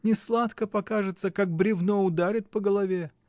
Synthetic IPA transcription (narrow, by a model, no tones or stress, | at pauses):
nʲɪslˠat̪kəpɐkaʐɨt̪səkak̚bɾʲɪvnoʊd̪aɾʲɪt̪̚pəɡəlˠɐvʲe